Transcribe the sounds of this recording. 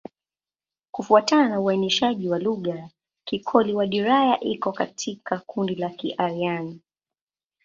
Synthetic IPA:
kufuatananauwainiʃaʄiwaluɠa | kikʰɔliwaɗiɾajaʔikɔkatʰikʰakundilakiʔaɾiani

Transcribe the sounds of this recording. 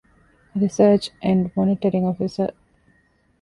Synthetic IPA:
ɾisəːt͡ʃʔæ̃ɳɖmɔniʈəɾĩŋɔfisə

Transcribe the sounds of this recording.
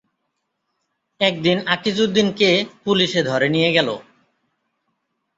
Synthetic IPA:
ɛk̚d̪inakːit͡ɕʰud̪inkepuliʃed̪ʱɔɾenijeɡɛlo̰

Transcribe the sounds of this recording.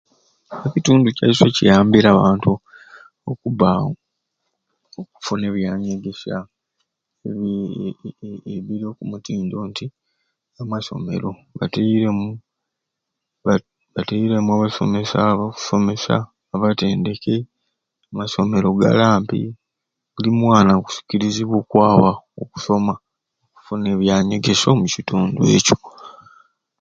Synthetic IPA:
eβituːnduca̰iso̞cijaːmbiɾaβaːntu | okuβao | ok̚u̥fune̞βjaːɲeɡe̞sa | eβ | eβiɾo̞ːkumutiːndo̞ːnti | amaso̞̰me̞̰ɾo̞βa̰teɾemu | βateiɾemuaβaso̞̰me̞saoku̥so̞me̞sa̰ː | βate̞ːnde̞ke̞ | amaso̞me̞ɾo̞ɡa̰laːmpḭ | bulimwaːnaku̥si̥ciɾiziβwokwaːβaoku̥so̞ma | oku̥fune̞ːβjaːɲeɡe̞so̞mucituːndwe̞̰ːco̥

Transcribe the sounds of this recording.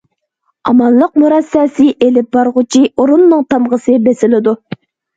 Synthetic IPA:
ɑmɑnlˠəq̚muɾɑsːɛːsɪʔelɪp̚bɑɾʁʊt͡ʃʰioɾunːɨŋt̪ʰɑmʁəsɨbesɪlɪd̪u

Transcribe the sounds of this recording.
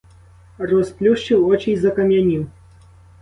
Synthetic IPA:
rɔsplʲuʂt͡ʃiwɔt͡ʃijzɐkɐmʲjanʲi

